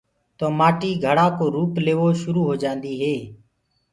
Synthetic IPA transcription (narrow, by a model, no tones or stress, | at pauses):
t̪oːmaːʈiːɡʱəɽaːkoːɾuːpleːʋoːʃʊɾuːɦoːd͡ʒãːnd̪iːɦeː